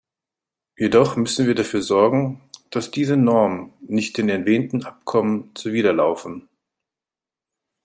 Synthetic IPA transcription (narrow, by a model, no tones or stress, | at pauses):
jedɔχmʏsn̩viːɐdafyːɐzɔɐɡŋ̩d̥asd̥iːzənɔɐmənnɪçt̚d̥eːnɛɐtveːntn̩ʔapkʰɔmənt͡suviːdɐlaʊfn̩